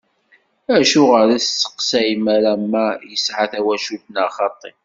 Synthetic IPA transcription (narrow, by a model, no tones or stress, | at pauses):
æʃuʁəɾiθt͡sːə̥qsæjmæɾæmːæjəsʕaθæwæʃudnaχɑt̪ˤːe